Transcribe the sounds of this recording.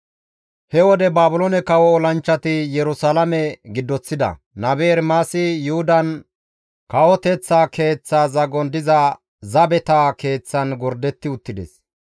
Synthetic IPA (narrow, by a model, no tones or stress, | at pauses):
hɛwɔd̪ɛbaːbʊlɔnɛkɐwɔːlɐnt͡ʃːɐt̪ɪjɛɾʊsalɐmɛɡɪd̪ːɔt͡sːɪd̪ɐ̰ | nɐbeːɾmaːsɪjʊhʊd̪ɐn | kɐwɔt̪ɛt͡sːaːke̞ːt͡sːaːzɐɡɔnd̪ɪzɐ | zɐbɛt̪aːke̞ːt͡sːɐnɡɔɾd̪ɛt̪ːɪʊt̪ːɪd̪ɛ̰s